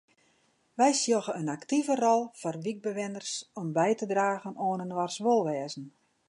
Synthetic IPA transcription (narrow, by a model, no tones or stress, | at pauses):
ʋɛjsjoɣəənaktivərɔlˠfɔrʋiɡ̚bəʋɪnərsɔmbɛjtədraːɣənoːnənʋarsʋolˠʋɛːzn̩